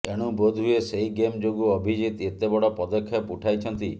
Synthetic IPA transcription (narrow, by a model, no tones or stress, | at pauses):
eɽ̃ubod̪ʱueseiɡemd͡ʒoɡuɔbʱid͡ʒit̪et̪ebɔɽɔpɔd̪ɔkʰːjapuʈʰajt͡ʃʰɔnt̪i